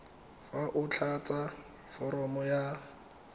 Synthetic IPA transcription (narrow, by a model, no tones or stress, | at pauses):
faʔʊt͡ɬʰat͡sa | fɔɾɔmɔja